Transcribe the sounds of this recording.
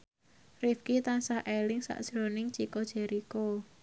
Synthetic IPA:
rifkit̪ansahʔelɪŋsa̰ʔd̥ʒ̥ɾonɪŋt͡ʃikodʒ̥eɾʔiko

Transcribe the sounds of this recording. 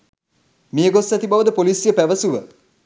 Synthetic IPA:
mejəɡosæt̪ibaʋəd̪əpolisjəpæʋəsuʋə

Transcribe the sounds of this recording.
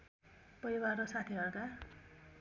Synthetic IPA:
pʌiwarosat̪ʰiɦʌɾka

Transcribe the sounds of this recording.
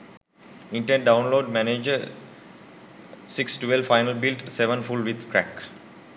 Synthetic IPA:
ɪ̃ɳʈẽɳɖ̚ɖãʊ̃nloːɖmæned͡ʒə | sɪksʈuʋelfaɪnəlbɪlʈseʋə̃nfulʋɪd̪kɾæ̰k

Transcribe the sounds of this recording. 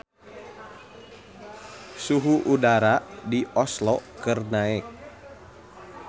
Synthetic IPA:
suɦuʔudaɾadiʔɔslɔkɨrnaɛk̚

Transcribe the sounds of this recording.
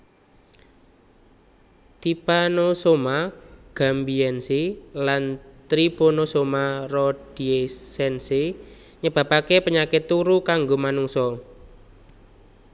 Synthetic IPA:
t̪ipanosomaɡ̥a̤mbiɛnsilant̪ɾibonosomarɔd̥iesɛnse | ɲəb̥a̤pakepəɲakɪt̪ːuɾukaŋɡomanuŋsɔ

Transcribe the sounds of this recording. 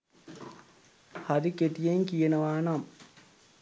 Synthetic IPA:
haɾikeʈijeŋkijenəʋaːnam

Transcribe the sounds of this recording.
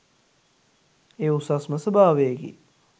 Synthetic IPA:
eːusasməsəbaːʋejəɡḭ

